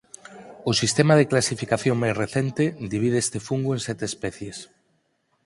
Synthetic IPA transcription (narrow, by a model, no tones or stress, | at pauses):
ʊsist̪emaðeklasifikaθjoŋmajzreθent̪ed̪iβið̞eest̪efuŋɡoẽnsɛt̪eespɛθjes